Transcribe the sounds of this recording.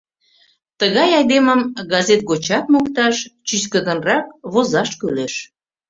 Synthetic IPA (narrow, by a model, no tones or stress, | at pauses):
t̪əɣɑjɑjd̪eməmɡɑzet̪̚ɡot͡ɕɑt̪̚mokt̪ɑʃt͡ɕyskəd̪ənrɑk̚βozɑʃkøleʃ